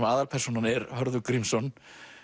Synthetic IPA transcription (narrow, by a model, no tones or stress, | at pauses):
maːðalpʰɛrsunanɛɾhœɾðʏkɾimsɔn